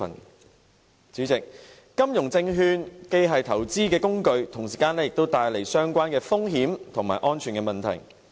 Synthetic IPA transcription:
n | t͡syː˨˥t͡sɪ˨k̚ː | ɐ˥mjʊ˨˩ŋt͡sɪ˧ŋɦyː˧nke˧jɦɐ˨jt̪ʰɐ˨˩wt͡siː˥kɛː˧kʊ˥ŋkɵ˧ɥt̪ʰʊ˨˩ŋsiː˨kaː˧nlɛː˥jɪ˨k̚t̪o˥wt̪aː˧jle˨˩jsœː˥ŋkʷaː˥nkɛː˧fʊ˥ŋɦiː˨˥mt̪ʰʊ˨˩ŋmaː˨jʔɔː˥nt͡ʃʰyː˨˩kɛ˧mɐ˨nt̪ʰɐ̰˨˩j

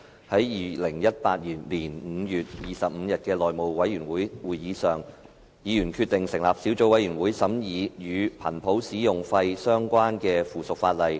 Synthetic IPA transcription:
hɐ˨˥jjiː˨lɪ˨˩ŋjɐ˥t̚paː˧t̚jiː˨˩nliː˨˩nm̩ː˨˧jyː˨t̚jiː˨˩sɐ˨p̚m̩ː˨˧jɐ˨t̚kɛː˧lɔː˨jmo˨wwɐ˨˥jyː˨˩nwuː˨˥jwuː˨˩jjiː˨˧sœː˨ŋ | jiː˨˧jyː˨˩nkʰy˧t̪ɪ˨˩ŋsɪ˨˩ŋlaː˨˩p̚siː˨˥wt͡so˧˥wɐ˨˥jɥyː˨˩nwuː˨˥jsɐ˨˥mjiː˨˧jyː˨˧pʰɐ̰˨˩npʰo˨˥wsiː˨˥jʊ˨ŋfɐ˧jsœː˥ŋkʷaː˥nkɛː˧fuː˨˩sʊ˨k̚faː˧t̚lɐ˨j

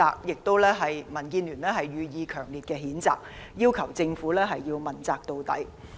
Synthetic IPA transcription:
aː˧k̚jɪ˨k̚t̪o˥wlɛː˥ɦɐ˨jmɐ˨˩nkiː˧nlyː˨˩nlɛː˥ɦɐ˨jːyː˨˧jiː˨˧kʰœː˨˩ŋliː˨t̚kɛː˧ɦiː˨˥nt͡sa̰ː˨k̚jiː˥wkʰɐ˨˩wt͡sɪ˧ŋfuː˨˥lɛː˥ɦɐ˨jːiː˧wmɐ˨˩nt͡saː˨k̚t̪o˧wt̪ɐ̰˨˥j

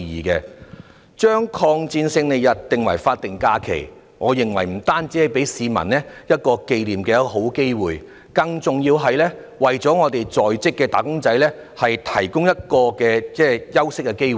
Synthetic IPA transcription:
jiː˨˩kɛː˧ | t͡ʃœː˥ŋkʰɔː˧ŋt͡siː˧nsɪ˧ŋle˨˩jɐ˨t̚t̪ɪ˨ŋwɐ̰˨˩jfaː˧t̚t̪ɪ˨ŋkaː˧kʰḛ˨˩j | ŋɔː˨˧jɪ˨˩ŋwɐ̰˨˩jm̩˨˩t̪aː˥nt͡si˨˥hɐ˨jpe˨˥jsiː˨˧mɐ̰˨˩nnɛː˥jɐ˥t̚kɔː˧ke˧jliː˨mkɛː˧ɦo˨˥wke˥jwuː˨j | kɐ˧ŋt͡sʊ˨ŋjiː˧wɦɐ˨jlɛː˥ | wɐ˨jt͡sɔː˨˥ŋɔː˨˧t̪e˨jt͡sɔː˨jt͡sɪ˥kːɛː˧t̪aː˨kʊ˥ŋt͡sɐ˨˥jlɛː˥ | hɐ˨jt̪ʰɐ˨˩jkʊ˥ŋjɐ˥t̚kɔː˧kɛː˧t͡sɛː˥jɐ˥wsɪ˥kːɛ˧ke˥jw

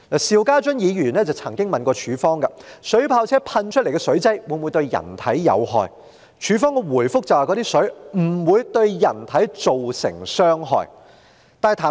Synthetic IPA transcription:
laː˨˩siː˨wkaː˥t͡ʃɵ˥njiː˨˧jyː˨˩nɛː˥t͡sɐ˨wt͡sʰɐ˨˩ŋkɪ˥ŋmɐ˨nkɔː˧t͡ʃʰyː˨˥fɔː˥ŋkɐ˧sɵ˨˥ɥpʰaː˧wt͡sʰɛː˥pʰɐ˧nt͡ʃʰɵ˥t̚le˨˩kɛː˧sɵ˨˥ɥt͡sɐ˥jwuː˨˧˥muː˨˧jt̪ɵ˧ɥjɐ̰˨˩nt̪ʰɐ˨˥jjɐ̰˨˧wɦɔ̰ː˨j | t͡ʃʰyː˨˧fɔː˥ŋkɛ˧wuː˨˩jfʊ˥k̚t͡sɐ˨waː˨kɔ˨˥t̪iː˥sɵ˨˥ɥm̩˨˩wuː˨˧jt̪ɵ˧ɥjɐ˨˩nt̪ʰɐ˨˥jt͡so˨wsɪ̰˨˩ŋsœː˥ŋɦɔ̰ː˨j | t̪aː˨n˨t̪ʰaː˨˩

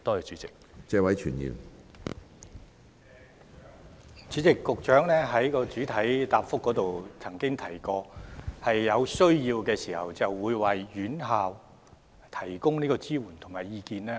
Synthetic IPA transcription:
t̪ɔː˥jɛ˨˧t͡ʃyː˨˥t͡sɪ˨k̚t͡sɛː˧wɐ˨˥jt͡ʃʰy̰ː˨˩njḭː˨m | t͡ʃyː˨˥t͡sɪ˨kːʊ˨k̚t͡ʃœː˨˥ŋlɛː˥ɦɐ˨˥jkɔː˧t͡ʃyː˨˥t̪ʰɐ˨˥jt̪aː˨pfʊ˥kːɔː˨˥t̪o˨wt͡sʰɐ˨˩ŋkɪ˥ŋt̪ʰɐ˨˩jkɔː˧hɐ˨jːɐ˨˧wsɵ˥ɥjiː˧wkɛː˧siː˨˩hɐ̰˨wt͡sɐ˨wːuː˨˧jwɐ˨jːyː˨˥nɦaː˨w | t̪ʰɐ˨˩jkʊ˥ŋniː˥kɔː˧t͡siː˥wuː˨˩nt̪ʰʊ˨˩ŋmaː˨˩jiː˧kiː˧nɛː˥

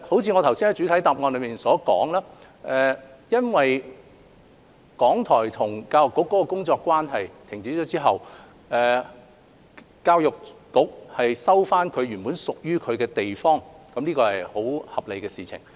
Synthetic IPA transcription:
ho˨˥wt͡sʰiː˧ŋɔː˨˧t̪ʰwsiː˥nhɐ˨˥jt͡ʃyː˨˥t̪ʰjt̪aː˨p̚ŋɔː˧nlɵ˨˧˥miː˨nsɔː˨˥kɔː˨˥ŋlaː˥ | ʔɛː˨jɐ˥nwɐ˨j | kɔː˨˥ŋt̪ʰɔː˨˩jt̪ʰʊ˨˩ŋkaː˧wjʊ˨˩kːʊ˨˥kːɔː˨˥kɔ˧kʊ˥ŋt͡sɔː˧kːwaː˥nɦɐ˨jt̪ʰɪ˨˩ŋt͡siː˨˥t͡ʃɔː˨˥t͡siː˥ɦɐ˨w | ʔɛː˨ | kaː˧wjʊ˨k̚kʊ˨˥k̚hɐ˨jsɐ˥wfaː˥nkʰɵ˨˧ɥɥyː˨˩npuː˨˥nsʊ˨k̚jyː˥kʰɵ˨˧ɥkɛː˧t̪e˨jfɔː˥ŋkɐ˧˥mliː˥kɔː˧hɐ˨jho˨˥whɐ˨p̚le˨jkɛː˧siː˨t͡sʰɪ̰˨˩ŋ

